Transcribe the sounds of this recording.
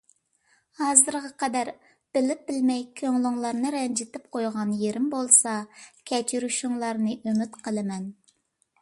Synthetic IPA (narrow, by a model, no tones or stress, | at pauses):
hɑzɨɾʁɑqʰɑd̪æɾ | b̥ɪlɪp̚bɪlmɛjkʲʰøŋlˠʊŋlˠɑɾnɨɾɛnd͡ʒɪt̪ɪp̚qʰojʁɑnjeɾɪmbolˠsɑkʲʰɛt͡ʃʰyɾyʃuŋlˠɑɾnɨʔømɪt̪qʰəlˠɨmɛn